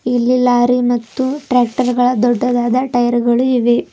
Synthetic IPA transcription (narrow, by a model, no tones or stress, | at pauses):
ilːilaːɾimɐt̪ːuʈɾaːk̚ʈɐɾɡɐɭɐd̪ɔɖːɐd̪aːd̪ɐʈɐjɐɾɡɐɭuiʋe